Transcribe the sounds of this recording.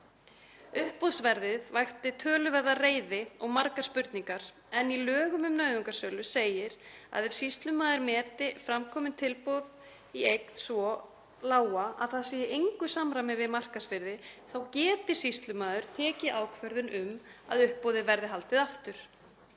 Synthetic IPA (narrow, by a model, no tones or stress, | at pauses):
ʏhpoðsvɛɾðɪðvajxt̪ɪt̪ʰœːlʏvɛɾðareːjðɪɔɣmaɾkaspʏɾt̪niŋkaɾ̥ | ɛnilœːɣʏmʏmnœːɥðʏŋkasœːlʏseːjɪɾa̰ðɛv̥sist̪lʏmaːðʏɾmɛːt̪ɪfɾamkʰɔːmɪnt̪ʰɪlpoð | iejk̚nsvɔ | laːwaa̰ðθaðsijɪʔejŋkʏsamɾamɪvɪðmar̥kasvɪɾðɪθawcɛːt̪ɪ̥sist̪lʏmaːðʏɾ̥t̪ʰɛːcɪʔaːwkʰvœɾðʏnʔʏma̰ðʏhpːowðɪvɛɾðɪɦalt̪ɪðaft̪ʏɾ̥